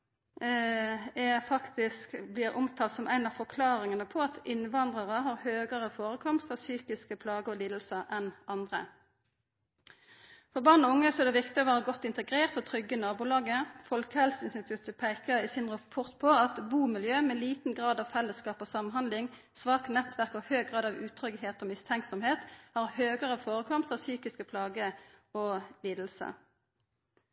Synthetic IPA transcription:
ɛʁfɑkt̪ɪskblɪːʁʔʊmt̪ʰɑːlt̪sɔmʔæ̰ɪnɑːʋfɔʁkʰlɑːʁɪŋənəpʰɔɑt̪ɪnʋɑnd̪ʁəʁəɦɑːʁhøːɡəʁəfoːʁəkʰɔmst̪ɑʋsyːkɪskəpʰlɑːɡəɔliːd̪l̩səɛnʔɑnd̪ʁə | fɔʁbɑːʁnɔʊŋːəsɔɛd̪ɛʋɪkt̪ɪɔʋæːʁəɡɔt̪ːɪnt̪əɡʁeːʁt̪ɔt̪ʰʁʏɡːənɑːbuːlɑːɡəfɔlkəhɛlsɪnst̪ɪt̪ʰʉt̪pʰæɪkəʁiːsɪnʁɑpʰɔʁt̪pʰoɑt̪buːmɪljøːmɛliːt̪n̩ɡʁɑːd̪ɑʋfɛlːəskɑːpoːsɑmnɦɑnd̪lɪŋ | sʋɑːknɛt̪ʰʋæʁkɔhøːɡʁɑːd̪ɑʋʉːt̪ʰʁʏɡheːt̪ɔmɪst̪ʰɛŋksɔmheːt̪hɑːʁhøːɡəʁəfoːʁəkʰɔmst̪ɑʋsyːkɪskəpʰlɑːɡəɔliːd̪l̩sə̰

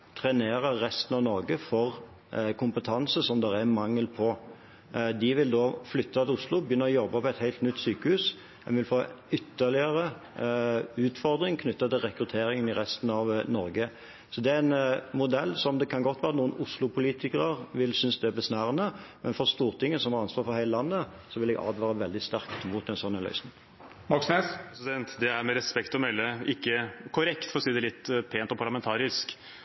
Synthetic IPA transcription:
t̪ʰɾɛneːɾəːɛst̪ən̩ɑʋnɔɾɡəfɔʁ | kʰʊmpət̪ʰɑnsəsɔmd̪ɛɾænmɑŋːəlpʰɔ | d̪ɪʋɪld̪oːflʏt̪ːɑt̪ɪlʊslʊbəjʏnːəɔjɔbːɑpɔɛt̪hæɪt̪nʏt̪ːsyːkəhʉːs | ɛnʋɪlfoːʏt̪ːəlɪəɾə | ʉːt̪fɔʁd̪ɾɪŋkʰnʏt̪ːɑt̪ɪlʁɛkɾʉt̪ʰeːɾɪŋənɪɾɛst̪n̩ɑʋnɔɾɡə | sɔd̪ɛæænmʊd̪ɛlːsɔmd̪ɛkʰɑnɡɔt̪ːʋæːɾənuːənʊslʊpʰʊliːt̪ɪkəʁəʁʋɪlsʏnsd̪ɛæbɛsnæːʁənəmʔɛnfɔʁst̪uːʁt̪ʰɪŋːəsɔmhɑɾɑnsʋɑːɾfɔɾhæɪləlɑnːə | sɔʋɪlɛɡɑ̰ːd̪ʋɑːɾəʋɛld̪ɪst̪æʁkt̪muːt̪ɛnsɔnːənœ̰ʏsnɪŋ | mɑksnesɛsɪd̪ɛnt̪d̪ɛæɾmɛɾɛspɛkt̪ɔmœʏləɪkːəkʰʊɾɛkt̪fɔɾɔsiːd̪ɛlɪt̪ːpʰeːnt̪ɔpʰɑlɑmɛnt̪ʰɑːɾɪsk

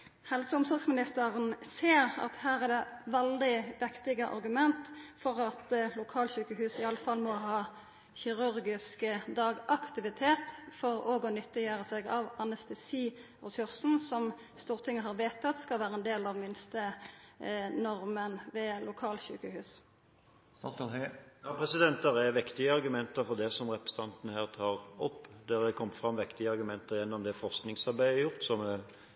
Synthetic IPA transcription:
hɛlsəʊmsɔʁksmɪnɪst̪əʁənseːʁɑ̰t̪hæːʁæd̪ɛʋɛld̪ɪʋɪkt̪ɪɡəʔɑ̰ɾɡʉmɛnt̪fɔʁɑt̪lʊkʰɑːlɕʉːkəhʉːsɪɑlːəfɑlːmɔɦɑː | çɪʁʉɾɡɪskəd̪ɑːɡɑkt̪ɪʋɪt̪ʰeːt̪fɔɾoːɡɔnʏt̪ːɪjøːʁəsɛɡɑʋɑnɛst̪ɛsiː | ʁɛsʊʁsn̩sɔm | st̪uːʁt̪ʰɪŋːəɦɑːʁʋeːt̪ːɑt̪skɑlʋæːɾəɛnd̪eːlɑʋmɪnst̪ə | nɔʁmənʋɛlʔʊkʰɑːlçʉ̰ːkəhʉːs | jɑːpʰʁɛsɪd̪ɛnt̪əɾɛʋɪkt̪ɪəɑʁɡʉmɛnt̪əɾfɔd̪ɛsɔmʁɛpɛst̪ɑnt̪ənəhæːʁt̪ʰɑːʁɔpːd̪ɛd̪ɛkʰɔmt̪fʁɑmʋɪkt̪ɪəɑɾɡʉmɛnt̪əʁjɛnːɔmd̪ɛfɔʁsknɪŋsɑʁbæɪɛjʊʁt̪sɔmɛ

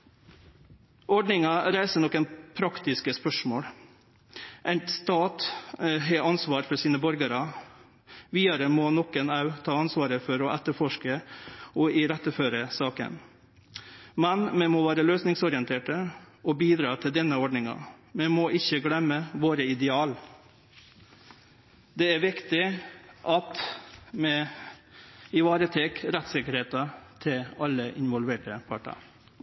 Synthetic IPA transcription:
ɔɖɳɪŋɑɾæɪsəɳɔkːɛnpʰɾɑkt̪ɪskəspœʂmoːɽ | ʔɛnt̪st̪ɑːt̪ɦɛʔɑnsʋɑːɾfɔɾsiːnəbɔɾɡəɾɑ | ʋiːɑɾəmɔnɔkːənɑʉt̪ʰɑːɑnsʋɑːɾəfɔɾɔʔɛt̪ːəɾfɔʂkəɔɪɾɛt̪ːəføːɾəsɑːkə̰n | mɛnmɛmɔːʋæːɾəløːsnɪŋsɔɾɪənt̪ʰeːʈəɔbiːd̪ɾɑːt̪ʰɪld̪ɛnːəɔɖɳɪŋɑ̰mɛmoːʔɪçːəɡlɛmːəʋoːɾəɪd̪ɛɑːl | d̪ɛæɾʋɪkt̪ɪʔɑt̪mɛ | ɪʋɑːɾət̪ʰɛkɾɛt̪sɪkəɾheːt̪ɑt̪ʰɪlɑlːəʔɪnʋɔlʋeːʈəpʰɑʈɑ̰ɾ

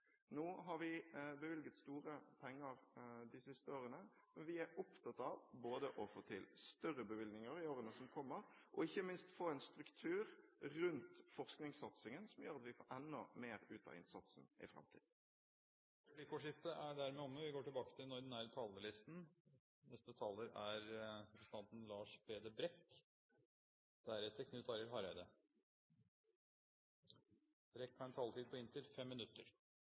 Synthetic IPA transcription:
noːɦɑɾʋɪbəʋɪlɡət̪st̪uːɾəpʰɛŋːəɾd̪ɪsɪst̪əoːʁənəmɛnʋɪæɾʔʊpt̪ʰɑt̪ɑʋboːd̪əʔɔfoːt̪ʰɪlst̪œɾəbəʋɪlɡnɪŋəɾɪoːɾənəsɔmkʰɔmːəɾʔɔɪçːəmɪnst̪foːɛnst̪ɾʉkt̪ʰʉːɾːʉnt̪fɔʁsknɪŋsɑt̪sɪŋənsɔmjøːɾɑt̪ʋɪfoːɾʔɛnːɔmeːɾʉ̰ːt̪ʰɑ̰ɪ̰nsɑt̪snʔɪ̰fɾɑ̰mt̪ʰḭːd̪ | ɾbliːkɔːʂɪft̪əʔæɖæɾmɛɔmːəʋɪɡoːʈɪlbɑːkə̥t̪ʰɪlɔd̪ɛnæːɾət̪ʰɑːlːəlɪst̪n | nɛst̪ət̪ʰɑlːəɾæɾpɾəsənt̪ɑnt̪ənlɑːʂbeːd̪əbɾɛkː | d̪̥æɾɛt̪ʰːəkʰnʉt̪ɑɾəlɦɑɾbæɪd̪ə | b̥ɾɛkːɑnɛnt̪ʰɑːlt̪iːd̪̚pʰɔɪnt̪ʰɪlfɛmːɪnʉt̪ːəɾ

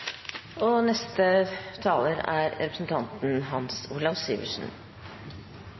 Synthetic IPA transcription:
ɔnɛst̪ət̪ʰɑːləɾæ̰ɾɾɛpɾəsn̩t̪ʰɑnt̪n̩ɦɑnsuːlɑʋsiːʋə̰ʂn̩

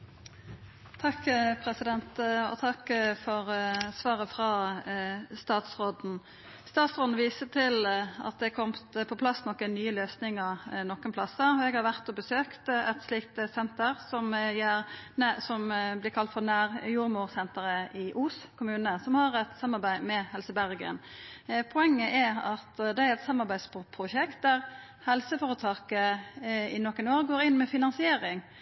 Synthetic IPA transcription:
t̪ʰɑkːpʰɾɛsɪd̪ɛnt̪ɔ̰t̪ʰɑkːfɔɾsʋɑːʁəfʁɑ | st̪ɑːt̪sʁoːd̪n̩ | st̪ɑːt̪sʁoːd̪n̩ʋiːsət̪ʰɪlɑ̰t̪̚d̪ɛkʰɔmt̪pʰɔpʰlɑsnɔkːənyːəløːsnɪŋəʁnɔkːənpʰlɑsəɛɡhɑɾʋæʁt̪ɔbəsøːkt̪ɛt̪sliːkt̪sɛnt̪əʁsɔmjæɾsɔmblɪɾkʰɑlt̪fɔʁnæːʁjuːɾmuːɾsɛnt̪əɾəʔɪʔuːskʰʊmʉːnəsɔmhɑɾɛt̪sɑmːɑɾbæɪmɛhɛlsəbæʁɡə̰npʰʊɛŋːəʔæɑt̪d̪ɛæɾɛt̪sɑmːɑɾbæɪd̪sppʰʁʊʃɛkt̪̚d̪æʁ | hɛlsəfɔːɾət̪ʰɑːkə | ɪnɔkːənoːɾɡoːɾɪnːmɛfɪnɑnsɪeːɾɪŋ

